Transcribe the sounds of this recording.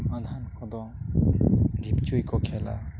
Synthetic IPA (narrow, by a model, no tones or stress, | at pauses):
manʱankʰɔd̪ɔ | bʱip̚t͡ʃujkɔkʰɛla̰